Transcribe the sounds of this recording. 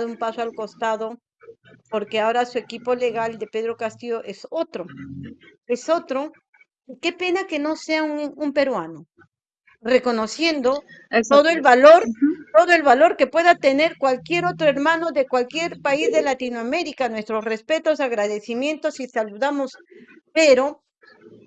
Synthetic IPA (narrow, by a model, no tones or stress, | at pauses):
ðumpasoalko̞st̪aðo | po̞ɾke̞ao̞ɾasue̞kipo̞le̞ɣald̪e̞pe̞ðɾo̞kast̪ioʔe̞sot̪ɾo̞ | e̞so̞t̪ɾo̞ | ike̞pe̞nake̞no̞se̞auŋumpe̞ɾwano | re̞ko̞no̞sje̞nd̪o̞ | t̪oðoelβaloɾt̪o̞ðoe̞lβalo̞ɾke̞pwe̞ðat̪e̞ne̞ɾkwalkje̞ɾo̞t̪ɾoe̞ɾmãnoðe̞kwalkje̞ɾpaizðe̞lat̪inoame̞ɾikanwe̞st̪ɾo̞sre̞spe̞t̪ozaɣɾaðeθimjẽ̞nt̪o̞sisaluðamo̞s | peɾo̞